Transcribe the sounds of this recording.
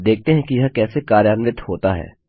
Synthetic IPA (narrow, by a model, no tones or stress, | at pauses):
d̪eːk̚ʰt̪eɦɛ̃kijɐɦakɛːsekaːɾjaːnʋɪt̪ʰhoːt̪aɦɛ̰ː